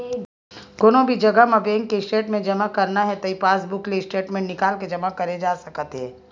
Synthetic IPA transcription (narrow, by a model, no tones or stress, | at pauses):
ɡ̥oːnõbʱid͡ʒɐɡəmɐbeːŋkːesʈeːʈmẽd͡ʒɐmakɐɾnaɦɛt̪ɐipaːsbʊklesʈeːʈmẽɳnɪkaːlked͡ʒɐmakɐɾed͡ʒaːsɐkt̪ɦɛ̃ː